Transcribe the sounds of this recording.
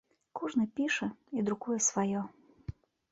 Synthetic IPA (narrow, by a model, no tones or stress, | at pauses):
kuʐnɨpʲiʂɛid̪ɾukujɛsvajɔ